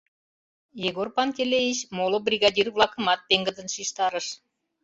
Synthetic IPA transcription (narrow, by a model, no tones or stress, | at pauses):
jiɣorpɑnk̪ʲelejit͡ɕmolobrʲiɣɑdʲirβlˠɑkə̆mɑt̪̚peŋɡəd̪ə̆nʃiʃt̪ɑɾəʃ